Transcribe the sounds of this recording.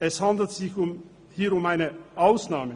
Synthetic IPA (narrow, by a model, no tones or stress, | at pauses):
ɛshandl̩tz̥ɪçʊm | hiːɐʊmaɪnəʔaʊsnaːmə